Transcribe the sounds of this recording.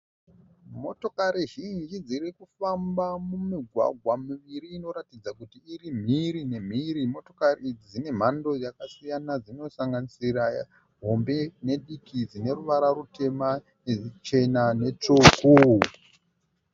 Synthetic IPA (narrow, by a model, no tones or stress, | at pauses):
mo̞to̞kaɾiʒind͡ʒid͡zirikufambamumiɡʱwa̰ɡʱwamiʋiɾiːno̞ɾatid͡zakutiːrim̤iɾine̞m̤iɾimo̞to̞kariid͡zid͡zine̞m̤ando̞jakasijanad͡zino̞saŋɡanisira | ɦo̞mbe̞ne̞ɗikid͡zine̞ruʋaɾarute̞ma | net͡ʃe̞nane̞t͡ʂuːku